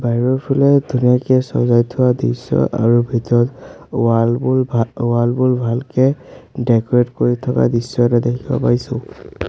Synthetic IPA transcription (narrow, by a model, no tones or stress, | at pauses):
baɹɔpʰulɛdʱunijakɛsɔ̰zajtʰʊwadisɔ̰ʔa̰ɹubʱitɔɹɔt | lbulwalbulbʱalkɛdɛkɔɹetkoɹitʰɔka̰disɔtɛdekʰiba̰paisʊ̃